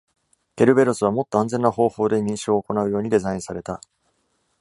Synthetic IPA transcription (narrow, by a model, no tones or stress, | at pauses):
ke̞ɾɯ̟be̞ɾosɨβ̞amo̞t̪ːo̞ãnzẽ̞nːaho̞ːho̞ːd̪e̞ɲ̟ĩɰ̃ɕoːko̞naɯ̟jo̞ːɲ̟id̪e̞zaĩɰ̃saɾe̞t̪a